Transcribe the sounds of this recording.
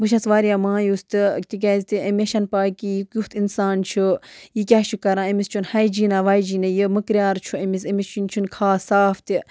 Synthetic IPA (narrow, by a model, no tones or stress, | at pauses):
bɨʃ̬ɐt͡sʋaːɾʲjamãːjust̪ɨt̪ʲik̬ʲaːzt̪iʔɐmʲeʃɐnpaːkijikjuht̪insaːnt͡ʃʰujikʲaːʃukɐɾãːɐmist͡ʃʰunhɐjd͡ʒiːnaʋajd͡ʒiːnɐjiməkɾʲjaːɾt͡ʃʰuɐmisɐmist͡ʃʰunt͡ʃʰunkʰaːsaːft̪i